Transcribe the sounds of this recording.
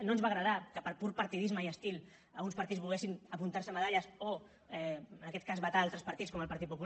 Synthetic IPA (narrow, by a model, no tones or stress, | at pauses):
noənzβaɣɾəð̞akəpəɾpuɾpəɾt̪iðizməiəst̪ilˠ | əlˠɣunspɐɾt̪id͡zβulɣɛsinəpunt̪aɾsəməð̞aʎəso | ɛənɐkɛt̪̚kazβət̪aalˠt̪ɾəspəɾt̪it͡skɔməlˠpɐɾt̪it̪̚pupu